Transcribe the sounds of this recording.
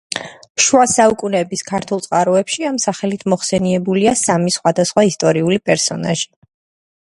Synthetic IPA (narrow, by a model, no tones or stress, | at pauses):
ʃwasaukʼunɛbiskʰaɾt̪ʰulˠt̪sʼqʼaɾɔɛpʃiamsaχɛlit̪ʰmɔχsɛniɛbuliasamisχwad̪asχwaist̪ʼɔɾiulipʼɛɾsɔna̰ʒi